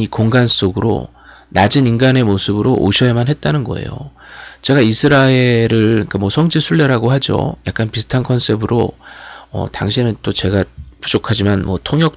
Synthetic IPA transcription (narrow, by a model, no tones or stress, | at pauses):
ikoŋɡans͈oɡɯɾo̰ | nad͡ʑɯninɡane̞mosʰɯbɯɾoʔo̰ɕʰʌemanɦe̞t̚t͈anɯnɡʌ̰e̞̰jo̰ | t͡ɕe̞ɡaisʰɯɾaeɾɯɭiŋkamwʌsʰʌŋd͡ʑisʰuɭːe̞ɾaɡoɦad͡ʑo̰jak͈̚anpisʰɯ̥tʰankʰʌns͈ʰe̞bɯɾo | ʌ̰taŋɕʰinɯnt͈ot͡ɕe̞ɡapu̥d͡ʑokʰad͡ʑimanmwʌ̰tʰoŋjʌk̚